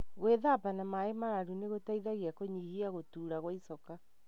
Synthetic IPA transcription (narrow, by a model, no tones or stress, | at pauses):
ɣweðabanamaemaɾaɾuneɣotaiðaɣiakoɲihiaɣotuːɾaɣwaisɔka